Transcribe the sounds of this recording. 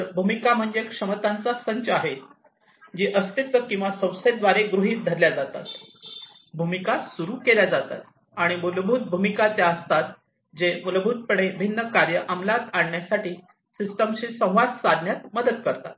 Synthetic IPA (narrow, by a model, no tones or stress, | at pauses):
əɾbʱumikam̤əɳd͡zekʂəmət̪ant͡sasəɲt͡ɕaɦet̪ | d͡ʑiʔəst̪it̪ʋəkĩw̃ʋasə̃w̃sed̪ʋaɾeɡɾuɦiːt̪̚d̪ʱəɾljad͡zat̪a̰t̪ | bʱumikasuɾuːkeljad͡zat̪a̰t̪ | aɽ̃imulbʱut̪̚bʱumikat̪jaəst̪at̪ | d͡ʑemulbʱut̪̚pəɽebʱinːəkaɾjəʔamlat̪aɳɳjasaʈiː | sisʈəmɕiːsə̃w̃ʋat͡ssad̪ʱnjat̪̚məd̪ət̪kəɾt̪a̰t̪